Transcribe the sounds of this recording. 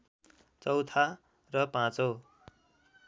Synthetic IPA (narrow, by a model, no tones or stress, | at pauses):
t͡sʌwt̪ʰa | rʌpãt͡so